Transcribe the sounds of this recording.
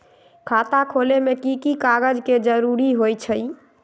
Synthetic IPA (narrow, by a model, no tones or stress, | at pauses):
kʰat̪akʰolemekikikaɡəd͡ʒked͡ʒəɾuɾiɦojt͡ʃʰəj